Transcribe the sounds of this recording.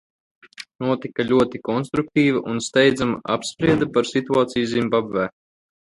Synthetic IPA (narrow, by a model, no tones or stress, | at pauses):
nuɔt̪ikalʲuɔt̪ikɔnst̪ɾuk̚t̪iːviʔunst̪ɛjd̪zamaʔapspɾiɛd̪apaɾsit̪uaːt̪sijuzʲimʲbabɛː